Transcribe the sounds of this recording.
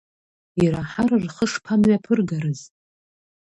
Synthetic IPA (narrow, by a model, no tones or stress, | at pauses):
iɾaħararχəʂpʰanɥapʰɨrɡaɾɨz